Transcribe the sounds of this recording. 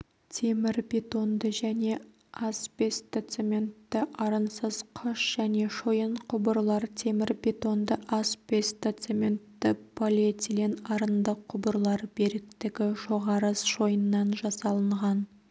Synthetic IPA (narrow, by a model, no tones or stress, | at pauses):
t̪ʰe̞mɪɾbʲe̞t̪o̞nd̪əʒæne̞ | ɑspest̪et̪semʲe̞nt̪ːɪʔɑɾənsəz̥qʰʊʃʒ̥æne̞ʃojəɴqʰʊbəɾlˠɑɾt̪ʰe̞mɪɾbet̪o̞nd̪əʔaspʲe̞st̪at̪semʲe̞nt̪ːɪpʰolʲet̪ʲilenɑɾənd̪əqʰːʊbəɾlˠɑɾbeɾɪk̚t̪ɪɡʲɪʒo̞ʁɑɾəsʒo̞jənːɑnʒɑsɑlˠəɴʁɑn